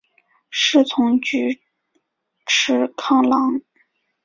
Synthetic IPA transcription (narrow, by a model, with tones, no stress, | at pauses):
ʂɻ̩˥˩t͡sʰʊ˧˥ŋt͡ɕy˧˥ | ʈ͡ʂʰɻ̩˧˥kʰɑ˥˩ŋlɑ˧˥ŋ